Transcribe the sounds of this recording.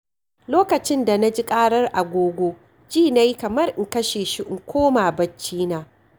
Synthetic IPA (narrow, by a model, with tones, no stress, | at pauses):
loː˦kɐ˨t͡ʃɪ˦nda˨na˦d͡ʒi˦kʼaː˦ɽɐ˦rʔa˨ɡʷoː˦ɡʷoː˦ | d͡ʒiː˦˨na˦jkɐ˨mɐ˦rʔɪ˨kɐ˦ʃeː˨ʃi˦ʔɪ˨ŋkʷoː˦maː˨bɐ˦t͡ʃːiː˦naː˦